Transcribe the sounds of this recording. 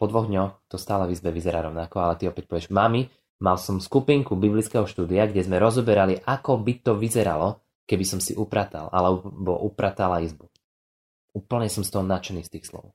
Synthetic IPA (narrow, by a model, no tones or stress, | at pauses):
pɔd̪ʋɔɣd̪ɲɔxt̪ɔst̪aːlɛvizbɛʋizɛɾaɾɔʊnakɔalɛt̪iɔpɛc̚pɔʋɪɛʒmami | malsɔmskupiŋkubiblit͡skɛɦɔʃt̪uːd̪iaɡɟɛzmɛɾɔzɔbɛɾaliʔakɔbit̪ɔʋizɛɾa̰lɔ | kɛbisɔmsḭʔupɾat̪a̰lʔa̰lɛbɔ̰ʔupɾat̪alaizbu | uːpl̩ɲɛsɔmst̪ɔɦɔnat͡ʃɛniːst̪iːxslɔ̰ʊ